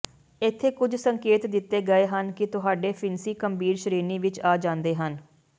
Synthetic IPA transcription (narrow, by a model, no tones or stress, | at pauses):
ɪt̪ʰːeːkʊd͡ʒsəŋkeːt̪d̪ɪt̪ːeːɡəeːɦənkɪt̪ʊɦaːɖeːpʰɪnsiːkəmbiːɾʃəɾiːɾniːʋɪt͡ʃaːd͡ʒãːnd̪eːɦən